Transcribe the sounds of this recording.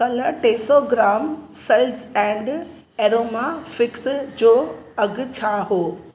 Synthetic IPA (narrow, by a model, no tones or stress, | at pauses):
kɐləʈeːsoɡɾaːmsɐlzɛ̃ːɳɖ | eːɾoːmafɪksd͡ʑoːɐɡt͡ɕʰaːɦoː